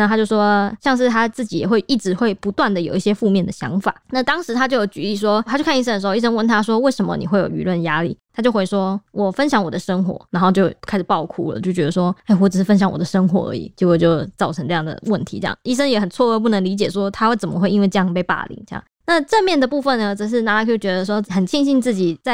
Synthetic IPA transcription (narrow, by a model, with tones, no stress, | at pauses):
na˥˩t̪ʰa˥t͡ɕjo˥˩ʊʂwɔ˥ɕjɑ˥˧ŋʂ̬ɻ̩˥˩t̪ʰa˥t͡sɹ̩˥˩t͡ɕi˨˥jɛ˨˩xwe˥˧ɪʔi˥˩ʈ͡ʂɻ̩˧˥xwe˥˩ɪpu˧˦˥t̪wa˥˩nd̪ə˨˩jo˨˩ʊi˥˩ɕjɛ˥fu˥˧mjɛ˥˩nd̪ə˩ɕjɑ̰˧˥ŋfa̰˨˩˦na˥˩t̪ɑ˥ŋʂɻ̩˧˥t̪ʰa˥t͡ɕjo˥˩ʊjo˨˧˩ʊt͡ɕy˧˥i˥˩ʂ̬wɔ˥a˥t͡ɕjʊkʰni˥˩ʂə˥d̪ə˩˧˥i˥˩ʂə˥nwə˥˩nt̪ʰa˥ʂwɔ˥we˥˩ɪʂə˧˥mə̰˧ni˨xwe˥˩jo̰˨˩y̰˧˥lwə˥˩nja˥lḭ˥˨˩t̪ʰa˥t͡ɕo˥˧ʊxwe˧˥i˥˩ʂwɔ˥wʔɔ˨˩fə˦˥nɕ̬jɑ˧˥ŋwɔ˨˩d̪ə˦ʂə˥ŋxwɔ̰˧˥na˧˥nxo˥˧ʊt͡ɕjo˥˧ʊkʰa˥ɪʂ̩˨˩pɑ˥˧ʊkʰu˥lə̰˨˩t͡ɕjo˥˩ʊt͡ɕɥɛ˧˥d̪ə˧ʂ̬wɔ˥e˥˩ɪwɔ˧˥ʈ͡ʂ̩˨˩ʂɻ̩˥˩fə˥nɕ̬jɑ˧˦ŋwɔ̰˨˩d̪ə˦ʂɤ˥ŋxwɔ̰˧˥ə̰˧˥ḭ˨˩t͡ɕje˧˥kɔ˨˩t͡ɕjo˥˧ʊt͡sɑ˥˩ʊɤ˧˥ŋʈ͡ʂɤ˥˧jɑ˥˩ŋd̪ə̰˩wə˥˩nt̪ʰḭ˧˥ʈ͡ʂɤ̰˥˧jɑ̰˥˩ŋi˥˩ʂə˥ŋjɛ˨˩xə˨˩nt͡sʰwɔ˥˧ə˥˧p̬u˥˩nə˧˥ŋli˧˥t͡ɕjɛ˨˩ʂwɔ˥t̪ʰa˥xwe˥˩ɪt͡sə˨˩mə˦xwe˥˧ɪi˥we˥˧ɪɤ˥˧jɑ˥˧ŋpe˥˧ɪpa̰˥˩lḭ˧˩˦ŋɕja̰˥˩ | na˥˧ʈ͡ʂə˥˧mjɛ˥˩nd̪ə˩pu˥˧fə˥˩nə˩ʈ͡ʂɤ˨˩ʂ̬ɻ̩˥˩na˧˥kʰt͡ɕɥɛ˧˥d̪ə˧ʂ̬wɔ˥xə˨˩nt͡ɕʰi˥˧ŋɕi˥˧nt͡sɹ̩˥˩t͡ɕi˨˩t͡sa˥˩ɪ